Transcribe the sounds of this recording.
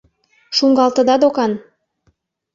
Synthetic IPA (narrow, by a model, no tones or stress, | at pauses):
ʃuŋɡɑlt̪ə̆d̪ɑd̪okɑn